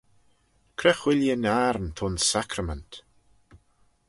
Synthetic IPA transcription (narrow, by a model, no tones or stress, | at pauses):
kʰɾɛxwɪljənaɾnt̪ʰʊnsakʰɾəmɛnt